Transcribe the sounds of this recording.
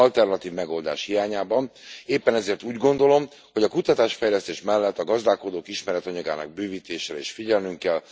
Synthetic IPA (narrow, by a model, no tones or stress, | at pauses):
ɒlt̪ɛrnɒt̪iːvmɛɡo̞ld̪a̰ːʃhijaːɲaːbɒneːpːɛnɛzeːrt̪uːɟɡo̞nd̪o̞lo̞m | ho̞ɟɒkut̪ɒt̪aːʃfɛjlɛst̪eːʃmɛlːɛt̪ːɒɡɒzd̪aːlko̞d̪oːkiʃmɛɾɛt̪ɒɲɒɡa̰ːnɒ̰ɡ̚byːviːt̪eːʃeːɾḛːʃfiɟɛlnyŋkɛl